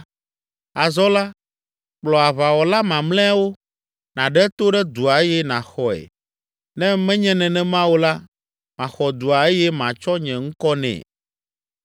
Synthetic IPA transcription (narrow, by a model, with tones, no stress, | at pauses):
a˨zɔ˦la˦ | k͡plɔ˨a˨βa˨wɔ˨la˦mã˨mlɛ̃˦wo˦ | nã˨ɖɛ˦t̪o˦ɖɛ˦d̪u˨a˨e˦jɛ˦nã˨xɔ˨ɛ̰˨ | nɛ̃˦mɛ̃˦ɲɛ̃˦nɛ̃˨nɛ̃˦mã˦wo˦la˦ | mã˨xɔ˨d̪u˨a˨e˦jɛ˦mã˨t͡ʃɔ˦ɲɛ̃˨ŋ̩˦kɔ˦nɛ̰̃˨